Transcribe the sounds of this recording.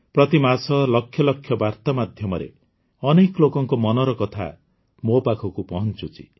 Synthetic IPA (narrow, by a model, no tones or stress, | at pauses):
pɾʌt̪imasʌlʌkʰːjʌlʌkʰːjʌbart̪amad̪ʱjʌmʌɾḛ | ʌneklokɔŋkomɔnɔɾɔkʌt̪ʰa̰ | mopakʰɔkupɔɦʌnt͡ʃut͡sʰḭ